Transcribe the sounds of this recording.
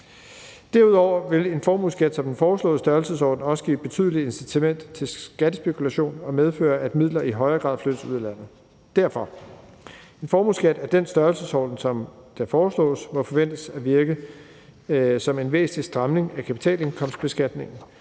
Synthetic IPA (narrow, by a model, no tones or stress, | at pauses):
d̥æɐuð̞̰ˠɒʊ̰ɐʋe̝le̝nfɒːmusɡ̥æd̥sɒ̽md̥en̩fɒːslɔ̰ð̩ˠsd̥ɶɐlsəsɒ̰ːd̥n̩ɒ̽sə̥ɡ̥ḭːb̥e̝t͡sʰy̰ð̞ˠəlie̝nsit͡sʰæmen̰d̥t͡sʰe̝lsɡ̥æd̥əsb̥e̝kʰulæɕo̝̰ːnɒ̽með̞ˠfø̰ːɐʔæd̥mið̞̰ˠlɐiɦɒ̽ɪɐɡ̥ʁɑ̈ðˠflød̥əsuð̞ˠlæn̰ð̩ˠ | d̥æɐ̰fɒ̽ | e̝nfɒːmusɡ̥æd̥æɐd̥ensd̥ɶɐlsəsɒ̰ːd̥n̩sɒ̽md̥æfɒːslɔ̰̽ːsmɒ̽fɒ̽ʋen̰d̥əsæʋiɐɡ̥ə | sɒ̽me̝nʋe̝̰ːsn̩lisd̥ʁɑ̈mne̝ŋækʰæpʰi̥t͡sʰɛ̰ːle̝ŋkʰɒ̽msd̥b̥e̝sɡ̥æd̥ne̝ŋn̩